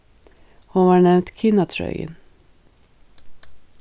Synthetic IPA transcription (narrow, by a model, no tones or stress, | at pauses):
hʊʋɑːɳɛʋnt̪kʰɪnɑt̪ʰɾœ̰ʏə̰n